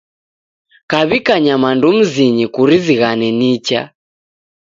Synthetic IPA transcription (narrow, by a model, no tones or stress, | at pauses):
kaβikaɲamandum̩ziɲɛkuɾiziɣanɛnit͡ʃa̰